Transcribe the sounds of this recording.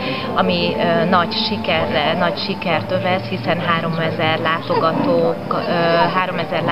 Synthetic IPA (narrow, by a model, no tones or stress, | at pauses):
ɒmiøːnɒɟʃikɛrɛnɒcʃikɛrt̪øvɛshisɛnɦaːɾo̞mɛzɛrlaːt̪oɡɒt̪oːkːɦaːɾo̞mɛzɛrl